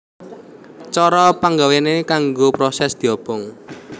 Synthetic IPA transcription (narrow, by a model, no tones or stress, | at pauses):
t͡ʃɔɾɔpaŋɡawenekaŋɡopɾɔsɛsd̪̥i̤ɔb̥ɔŋ